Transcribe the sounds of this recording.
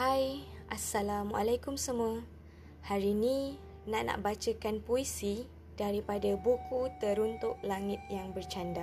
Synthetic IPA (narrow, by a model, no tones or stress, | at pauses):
hajʔasːalamua̰lajkʊmsəmua | haɾinĩ | naʔna̰ʔbat͡ʃəkanpoisi | daɾipadabukʰut̪əɾunt̪ʊʔlaŋɪt̪̚jaŋbərt͡ʃanda